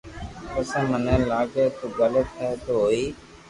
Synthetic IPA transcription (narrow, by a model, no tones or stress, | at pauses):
ʊsə̃ːmənẽːlaːɡeːt̪oːɡələt̪ɛːt̪oɦoːiː